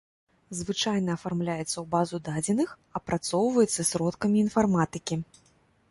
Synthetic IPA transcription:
zvɨt͡ʂajn̪ɐːfarmlʲajɛt̪sːɐwbazud̪ad͡zʲɛnɨx | ɐpɾat̪sɔwvɐjɛt̪sːɐsʲɾɔt̪kɐmʲiːnfarmat̪ɨkʲi

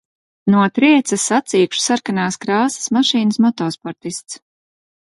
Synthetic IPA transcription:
nuɔt̪ɾiɛt̪sasat̪siːkʃu̥saɾkanaːskɾaːsḁsmaʃiːnəsmɔt̪ɔːspɔɾt̪ist̪s

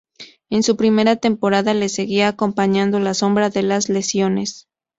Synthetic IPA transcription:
e̞nsupɾime̞ɾat̪e̞mpo̞ɾaðale̞se̞ɣiaːko̞mpaɲãnd̪o̞laso̞mbɾaðe̞lazle̞sjo̞ne̞s

